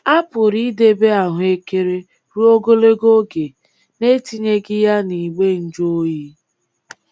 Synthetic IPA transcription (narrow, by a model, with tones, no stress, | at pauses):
a˦pʊ˨ɾi˦de˦be˦a˨ɦʊ˨e˦ke˦ɾe˦ | ɾu˦o˦ɡo˦le˦ɡo˦ɡe˨ | ne˦ti˦ɲe˦ɡɪ˦ja˦ni˨ɡ͡be˦n̩˦d͡ʒo˦ji˦